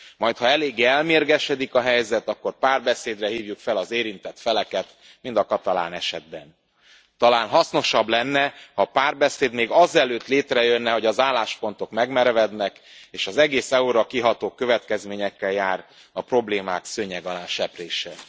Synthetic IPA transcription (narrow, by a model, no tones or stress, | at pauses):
mɒjt̪hɒɛleːɡːeɛlmeːrɡɛʃɛd̪ikɒɦɛjzɛt̪ɒkːo̞rpaːrbɛseːd̪rɛɦiːvjukfɛlɒzeːɾint̪ɛt̪fɛlɛkɛt̪ | mind̪ɒkɒt̪ɒla̰ːnɛʃɛd̪̚bɛn | t̪ɒlaːnɦɒsno̞ʃɒblɛnːɛhɒpaːrbɛseːd̪meːɡɒzɛløːt̪leːt̪rɛjønːɛɦo̞ɟɒzaːlːaːʃpo̞nt̪o̞kmɛɡmɛɾvɛd̪nɛkeːʃɒzɛɡeːsɛuɾɒkiɦɒt̪oːkø̞vɛt̪kɛzmeːɲɛkːɛljaːr | ɒpro̞bleːma̰ːksøɲɛɡɒlaːnʃɛpreːʃɛ